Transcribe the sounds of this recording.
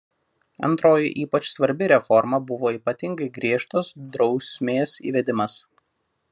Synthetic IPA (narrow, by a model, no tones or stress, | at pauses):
ɐ̰nt̪ɾoːjɪ̰ʔiːpɐt͡ʃsʋɐɾʲbʲɪɾʲɛfɔɾmɐbʊʋoːiːpɐt̪ʲɪŋɡɐɪɡɾʲiɛʃt̪osd̪ɾɒʊsʲmʲeːsḭːʋʲɛd̪ʲɪmɐs